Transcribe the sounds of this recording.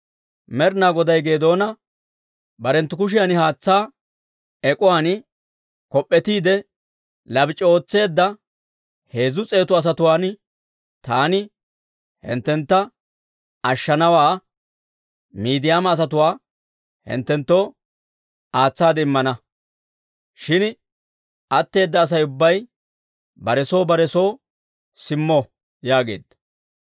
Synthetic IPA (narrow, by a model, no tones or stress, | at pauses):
mɛɾnaːɡɔd̪ɐjɡe̞ːd̪o̞ːnɐ | bɐɾɛnt̪ːʊkʊʃ̬ɪjanɪhaːt͡sːaː | ɛkʼʊwaːn | kɔpʼːɛt̪iːd̪ɛ | lɐbɪt͡ʃʼɛo̞ːt͡sːe̞ːd̪ːɐ | he̞ːzʊt͡sʼe̞ːt̪ʊɐs̬ɐt̪ʊwaːn | t̪aːnɪ | hɪ̰nt̪ːɛnt̪ːɐ | ɐʃːɐnɐwaː | miːd̪ɪjaːmɐːs̬ɐt̪ʊwaː | hɪ̰nt̪ːɛnt̪ːo̞ː | aːt͡sːaːd̪ɛɪmːɐnɐ | ʃɪn | ʔɐt̪ːe̞ːd̪ːɐːs̬ɐjʊbːɐj | bɐɾɛso̞ːbɐɾɛso̞ː | sɪmːo | jaːɡe̞̰ːd̪̥ːɐ̥